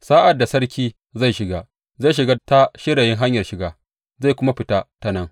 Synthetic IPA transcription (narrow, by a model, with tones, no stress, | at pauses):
saː˦ʔa˨dːa˨sɐ˦rkʲiː˦ | za˦˨jʃɪ˨ɡaː˦ | za˦˨ʃ̬ɪ˨ɡaː˦ta˦ʃɪ˦ɽeː˨jɪ˦ŋɦa˦ɲjɐ˨rʃɪ˨ɡaː˨ | za˦˨jkʷʊ˦ma˦ɸɪ˦ta˦ta˦nɐ˦ŋ